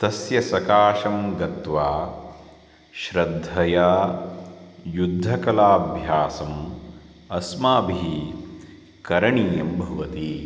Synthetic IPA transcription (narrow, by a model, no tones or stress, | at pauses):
t̪ɐsjɐsɐkaːʃɐmɡɐt̪ʋaː | ʃɾɐd̪ʱːɐjaː | jud̪ʱːɐkɐlaːbʱjaːsɐm | ɐsmaːbʱii | kɐɾɐɳiːjɐmbʱɐʋɐt̪i